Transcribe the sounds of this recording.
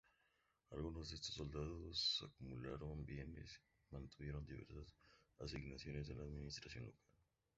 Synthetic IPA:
alɣunozd̪est̪osːold̪aðosːakumulaɾombjenḛs | mãnt̪uβjeɾond̪iβḛɾsasasiɡnasjonezd̪elaðminist̪ɾasjo̞nlokal

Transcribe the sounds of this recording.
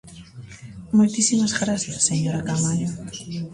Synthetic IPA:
mojt̪isimazɣɾaθjasːeɲoɾakamaʎo

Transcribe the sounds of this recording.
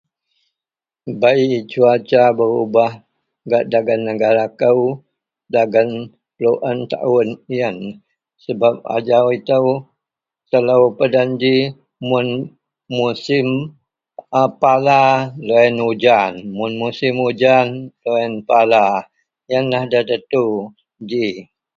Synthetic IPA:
bait͡ʃuat͡ʃabəɾubah | ɡaʔdaɡanːəɡaɾakəw | daɡən | ploʔənt̪a̰ʔʊnijən | səbap̚a̰d͡ʒawit̪əw | t̪ələwpədand͡ʒi | mʊn | musɪm | palaloɛnud͡ʒanmʊnmusɪmud͡ʒanloɛnpala | jənlahdat̪ət̪u | d͡ʒi

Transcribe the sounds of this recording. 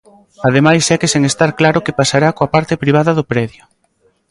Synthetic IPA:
að̞emajsɛkeseŋest̪aɾklaɾʊkepasaɾakoapaɾt̪ɪpɾiβ̞aðɐðʊpɾɛðjʊ

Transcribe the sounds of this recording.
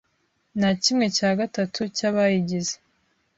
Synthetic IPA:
nacimŋe̞caːɡatatʰucaβajiɟize

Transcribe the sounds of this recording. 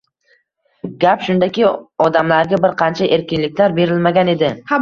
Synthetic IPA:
ɡʲapʃʊnd̪akʲɪɒd̪amlaɾɡʲabɪɾqʰɑnt͡ʃʰaʔe̞ɾkʲɪnlɪkʲlaɾbe̞ɾɪlmaɡʲane̞d̪ɪ

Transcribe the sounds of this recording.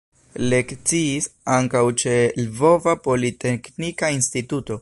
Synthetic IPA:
le̞kt͡siːsaŋkawt͡ʃe̞lvo̞vapo̞lite̞knikainstituto̞

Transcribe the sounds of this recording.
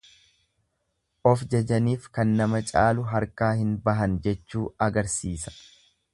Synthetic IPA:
ʔɔfd͡ʒɐd͡ʒɐniːfkɐnːɐmɐt͡ʃʼaːlʊɦɐɾkaːhɪnbɐɦɐnd͡ʒɛt͡ʃːuːɐɡɐɾsiːsɐ̥

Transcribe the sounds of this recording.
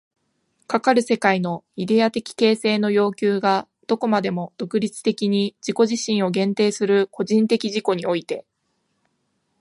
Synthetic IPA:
kakaɾɯ̟se̞kaino̞id̪e̞at̪e̞kʲi̥ke̞ːse̞ːno̞jo̞ːkʲɨːɡa | d̪̥o̞ko̞mad̪e̞mo̞d̪̥o̞kɯ̟ɾʲit͡sɨ̥t̪e̞kʲiɲ̟id͡ʑiko̞ʑiɕĩɰ̃o̞ɡẽ̞nt̪e̞ːsɨɾɯ̟ko̞ʑĩnt̪e̞kʲiʑiko̞ɲ̟io̞it̪e̞

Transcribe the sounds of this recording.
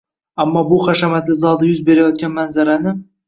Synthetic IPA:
amːɑbuχaʃamæt̪ɪzɑd̪ɑjʊzbe̞ɾajɒt̪̚kʲanmænzaɾanɪ

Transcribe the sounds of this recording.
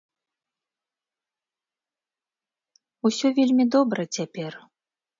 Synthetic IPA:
usʲɔvʲelʲmʲid̪ɔbɾɐt͡sʲapʲɛr

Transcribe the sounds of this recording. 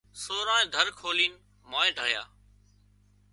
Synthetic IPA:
soːɾãːẽːd̪ʱəɾkʰoːliːn | maːẽːɖʱaːja̰ː

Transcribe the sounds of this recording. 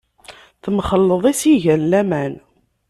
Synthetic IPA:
θəmχəlːəðˤisiʝænlæmæn

